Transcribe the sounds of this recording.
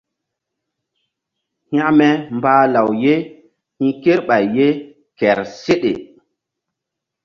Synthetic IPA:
hj̃ã˦mɛ˦mbaː˦la˨wje˦ | hĩ˦ke˦ɾɓa˨jːe˦ | kɛ˨ɾse˦ɗḛ˨

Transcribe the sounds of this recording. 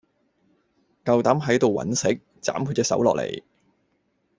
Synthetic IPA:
kɐ˨wt̪aː˨˥mɦɐ˨˥jt̪o˨wːɐ̰˨˥nsɪ̰˨˥k̚ | t͡sa̰ː˨˥mkʰu˧tkɛː˧sɐ̰˨˥wlɔː˨k̚lḛ˨˩j

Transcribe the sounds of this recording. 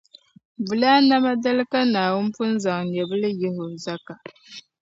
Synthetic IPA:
vu˨laː˦na˦ma˦da˦lɨ˦ka˦naː˨wʊ˦n˦pʊ˦n˦za˨ŋɲɛ˨bɨ˦lɨ˦jɛ˦hʊ˨za˦ka˨

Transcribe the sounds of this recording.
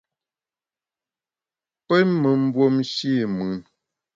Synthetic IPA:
pɛ˦nmə˨m̩˦bwo˦mʃi˦˨mʉ˨˦˨n

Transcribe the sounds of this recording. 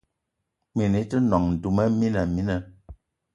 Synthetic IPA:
mi˨ni˨˦tə˦nɔ˨ŋn̩˨du˨mɛ˦mi˦na˨mi˦na˨

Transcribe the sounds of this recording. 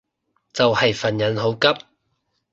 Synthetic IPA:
t͡sɐ˨whɐ˨jfɐ˨˩njɐ˨˥nɦo˨˥wkɐ˥p̚

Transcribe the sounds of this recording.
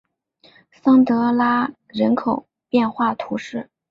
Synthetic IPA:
sɑ˥ŋt̪ɤ˧˥la˥ | ɻə˧˥nkʰo˨˩ʊ | pjɛ˥˧nxwa˥˩t̪ʰu˧˥ʂɻ̩˥˩

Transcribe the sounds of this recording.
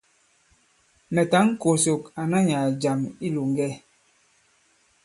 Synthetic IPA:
mɛ˨ta˨˦ŋ̩˦ko˨so˨ka˨na˦ɲa˨d͡ʒa˨mi˦lu˨ŋ˦ɡɛ˦

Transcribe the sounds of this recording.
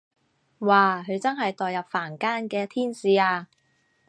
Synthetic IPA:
waː˨ɦɵ˨˧ɥt͡sɐ˥nɦɐ˨jt̪ɔː˨jɐ˨p̚faː˨˩nkaː˥nkɛː˧t̪ʰiː˥nsiː˨˧aː˧

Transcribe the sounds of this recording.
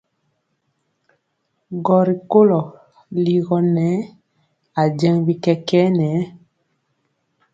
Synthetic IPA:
ɡɔ˨ɾi˨ko˦lɔ˨ | li˨ɣɔ˨nɛ˨˦ | a˨d͡ʒɛ˦ŋbi˦kɛ˦kɛ˦nɛː˨˦

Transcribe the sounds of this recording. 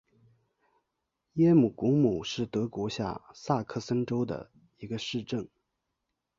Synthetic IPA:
jɛ˥mu˨˩ku˧˥ŋmu˨˩ʂɻ̩˥˩t̪ɤ˧˥kwɔ˧˥ɕja̰˥˧sa˥˧kʰɤ˥˩sə˥nʈ͡ʂo˥ʊd̪ə̰˨˩ | i˧˥ɡə˧ʂɻ̩˥˧ʈ͡ʂɤ˥˩ŋ

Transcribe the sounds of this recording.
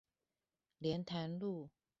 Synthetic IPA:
ljɛ˧˦nt̪ʰa˧˥nlu˥˨

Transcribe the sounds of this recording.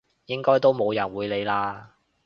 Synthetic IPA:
jɪ˥ŋkɔː˥jt̪o˥wmo˨˧wjɐ˨˩nwuː˨˧jle˨˧jlaː˧

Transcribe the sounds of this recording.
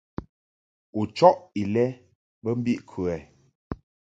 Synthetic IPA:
u˨t͡ʃɔ˦ʔi˨lɛ˦ | bə˦m̩˦bi˦ʔkʰʉ˨ɛ˨

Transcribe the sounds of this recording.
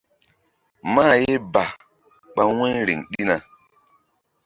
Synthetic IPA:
maː˦˨je˦ba˨ | ɓa˦we˦nɾḭ˨ŋɗi˦na˨

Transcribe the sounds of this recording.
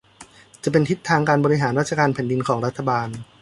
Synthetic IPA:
t͡ɕa˨˩pe˧nt̪ʰi˦˥t̪ʰːaː˧ŋkaː˧nbɔ˧ɾi˦˧ɦaː˩˦nɾa˦˥t̪̚ʰa˧kaː˧npʰɛ˩˦ndi˧nkʰɔː˩˦ŋɾa˦˥t̪ʰːa˧baː˧n

